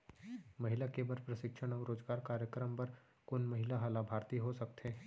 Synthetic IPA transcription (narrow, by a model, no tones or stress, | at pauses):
mɐɦɪlakebəɾpɾəʃɪkʃʰəɽ̃ɔːɾoːd͡ʒɡaːɾkaːɾjəkɾəmpɐɾ | kʊnmɐɦɪlaɦɐlabʱaːɾt̪iɦosɐk̚t̪ʰeː